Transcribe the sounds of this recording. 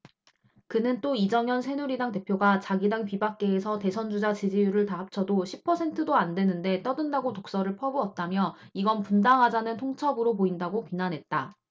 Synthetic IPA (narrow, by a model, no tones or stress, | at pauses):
kɯnɯnt͈oid͡ʑʌŋjʌnsʰe̞nuɾidaŋte̞pʰjoɡat͡ɕaɡidaŋpibak̚k͈e̞ːsʰʌte̞sʰʌnd͡ʑud͡ʑat͡ɕid͡ʑijuɾɯɭtaɦap̚t͡ɕʰʌdoɕʰipʰʌsʰe̞ntʰɯdoandwe̞nɯnde̞t͈ʌdɯndaɡotok̚s͈ʌɾɯɭpʰʌɡoʌt̚t͈amjʌiɡʌnpundaŋɦad͡ʑanɯntʰoŋt͡ɕʰʌbɯɾopoindaɡopinanɦe̞t̚t͈a